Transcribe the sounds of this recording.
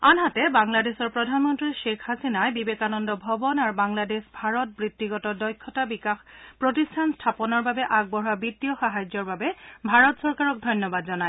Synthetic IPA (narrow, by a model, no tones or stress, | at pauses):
anɦatɛbaŋladesɔɹpɹɔdʱanmɔntɹiʃekʰhasinajbibekanɔndɔbʱɔbɔnaɹbaŋladesbʱaɹɔt̚bɹitːiɡɔtɔdɔjkʰːɔtabikaxpɹotistʰanstʰapɔnɔɹbabɛʔaɡ̚bɔɹabitːijɔxaɦajd͡ʒɔɹbabɛbʱaɹɔtsɔɹkaɹɔk̚dʱɔjnjɔbadzɔnaj